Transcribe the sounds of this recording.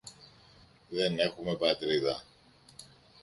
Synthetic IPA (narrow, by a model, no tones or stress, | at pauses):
ðe̞ne̞xume̞pɐt̪ɾiðɐ